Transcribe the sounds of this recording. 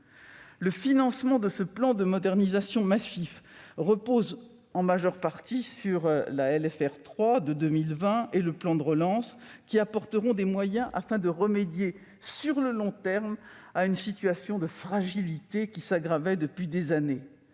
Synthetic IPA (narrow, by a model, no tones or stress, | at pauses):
ləfinɑ̃smɑ̃d̪əsəplɑ̃d̪əmɔd̪ɛʁnizasjɔ̃masifʁəpoz | ɑ̃maʒœʁpaʁt̪isyʁlaɛlɛfɛʁt̪χwad̪əd̪ømilvɛ̃eləplɑ̃d̪əʁəlɑ̃skʲiapɔʁt̪əʁɔ̃d̪emwajɛ̃ʔafɛ̃d̪əʁəmed̪je | syʁləlɔ̃t̪ɛʁm | aynsit̪ɥasjɔ̃d̪əfχaʒilit̪ekʲisaɡʁavɛd̪əpɥid̪ezane